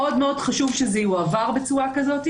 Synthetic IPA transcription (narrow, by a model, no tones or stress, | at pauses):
o̞dmeo̞d̥χaʃuvʃezɛjuavaʁbet͡suakazo̞ti